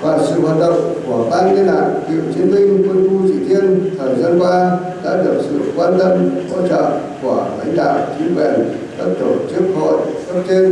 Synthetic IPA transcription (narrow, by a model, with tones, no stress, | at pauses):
vaː˨˩sɨ̰˧˨ɦwa˨˩t̚ɗə̰˧˨ŋ͡mku˧˩əɓaː˧ki˧laː˨˩t̚t̪ḭ˧˨wt͡ɕi˨˦ənmï˧ŋ̟t̪wi˧nfu˧t͡ɕḭ˧˩t̪i˧ənt̪ʰəː˨˩jzaː˧nkaː˧ | ɗa̰ː˧˥ɗɨ˨˩ək̚sɨ̰˧˨kwaː˧nt̪ə˧mho̰˧˥t͡ɕɔ̰˧˨ŋ͡mku˧˩əla̰˧˥jŋ̟ɗa̰ː˧˨wt͡ɕi˨˦ənkwɛ̰˧˨n | ka˦˥k̚t̪o˧˩t͡ɕɨ˦˥ək̚ho̰˧˨jsə˦˥p̚t͡ɕ̪e˧n